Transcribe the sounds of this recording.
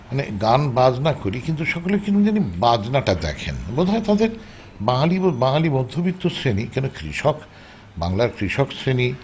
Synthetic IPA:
maneɡanbad͡ʑnakoɾikint̪uʃɔkolekinud͡ʑanibad͡ʑnaʈad̪ɛ̰kʰḛnbod̪ʱaet̪ad̪eɾ | baŋalibobaŋalibɔd̪ʱːobit̪ːosɾenikɛnokɾḭʃɔk | ba̰ŋlaɾkɾiʃɔksɾeni

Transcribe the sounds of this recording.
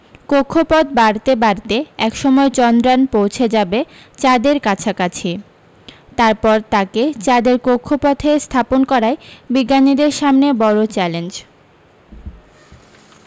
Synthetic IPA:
kokʰːopɔd̪̚baɽt̪ebaɾt̪eɛkʃɔmɔet͡ɕɔnd̪ɾanpowt͡ɕʰed͡ʑabet͡ɕad̪eɾkat͡ɕʰakat͡ɕʰi | t̪aɾpɔɾt̪aket͡ɕad̪eɾkokʰːopɔt̪ʰest̪ʰaponkɔɾaebiɡːanid̪eɾʃamnebɔɾot͡ɕɛlend͡ʑ

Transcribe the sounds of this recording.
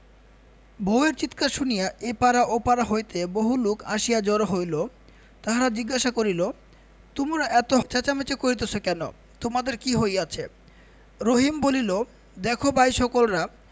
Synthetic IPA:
boweɾt͡ɕit̪kaʃunijaepaɾaʔopaɾaɦojt̪eboɦulukaʃijad͡ʑɔɾoɦojlo | t̪aɦaɾad͡ʑiɡːaʃakoɾilo | t̪umɾaʔɛt̪ot͡ɕat͡ɕamet͡ɕekoɾit̪̬et͡ɕʰokɛno̰ | t̪omad̪eɾkiɦojat͡ɕʰe | ɾoɦimbolilo | d̪ɛkʰobʱajʃɔkolɾa

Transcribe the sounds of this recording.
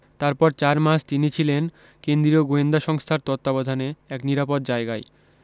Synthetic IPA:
t̪aɾpɔɾt͡ɕaɾmaʃt̪init͡ɕʰilen | kend̪ɾioɡoend̪aʃɔŋst̪ʰaɾt̪ɔt̪ːabɔd̪ʱaneɛkniɾapot̪̚d͡ʑaeɡae

